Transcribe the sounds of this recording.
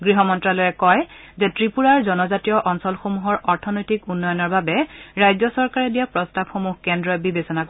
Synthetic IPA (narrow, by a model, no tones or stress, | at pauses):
ɡɹiɦɔmɔntɹalɔjɛkɔj | zɛtɹipuɹaɹzɔnɔzatijɔʔɔnsɔlxomuɦɔɹɔɹtʰɔnɔjtikunːɔjɔnɔɹbabɛɹajzɔsɔɹkaɹɛdijapɹɔstabxomuxkɛndɹɔjbibesɔnak